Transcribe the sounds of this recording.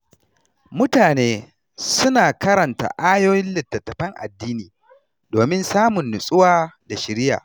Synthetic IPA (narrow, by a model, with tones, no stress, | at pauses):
mʊ˦taː˨neː˦ | sʊ˦naː˨kɐ˦ɾɐ˨nta̰˨ʔaː˦joː˦jɪ˦nlɪ˨tːɐ˨tːɐ˨ɸɐ˦ŋʔa̰˨dːiː˦niː˨ | doː˨mɪ˦nsaː˦mʊ˨nːʊ˨sʼʊ˦waː˦da˨ʃɪ˨ɾɪ˦ja̰ː˨